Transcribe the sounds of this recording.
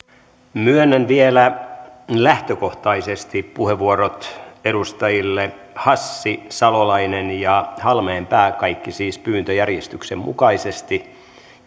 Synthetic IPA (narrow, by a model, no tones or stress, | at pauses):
myønːænʋielæ | læht̪økoht̪ɑisest̪ippuheʋːuoɾot̪eɾust̪ɑjilːe | hɑsːisɑlolɑinenjɑhɑlmeːmpæːkɑikːisiːspyːnt̪øjærjest̪yksemmṵkɑisest̪i